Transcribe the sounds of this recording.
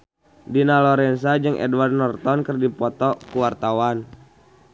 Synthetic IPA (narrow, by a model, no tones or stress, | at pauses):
dinalɔɾɛnsad͡ʒɨŋʔɛ̰dwardnɔrt̪ɔnkərdipɔt̪ɔkuwart̪awan